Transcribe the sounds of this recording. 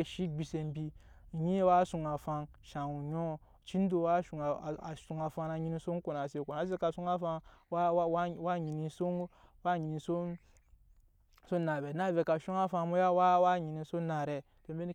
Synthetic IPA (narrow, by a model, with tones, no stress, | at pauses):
ʃi˦bi˨se˧m˦bi˦˨ | ji˦wa˦su˨ŋa˨fa˧n | ʃa˨u˨ɲo˦ | t͡ʃi˦n˦do˨wa˦ʃu˨ŋ˨a˨su˨ŋa˨fa˧na˨ɲi˦ni˦so˦ŋ˦ko˨na˨se˨ko˨na˨˦s̬e˦ka˨su˦ŋa˦fa˧˦ | wwa˦ɲi˨ni˨so˦wa˦ɲi˨ni˨so˦ | so˦na˨be˨na˦˨ve˨ka˨ʃu˦ŋa˦fa˧˦mo˦ja˦wa˦wa˦˨ɲi˨ni˨so˦na˨ɾe˨ | to˨mbe˦n˦